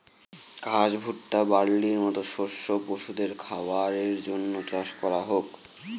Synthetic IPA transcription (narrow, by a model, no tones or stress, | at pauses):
kad͡ʑbʱuʈʈabaɽːiɾmɔt̪oʃoɾʃopoʃud̪eɾkʰabaɾeɾd͡ʑonːot͡ɕaʃkɔɾaɦok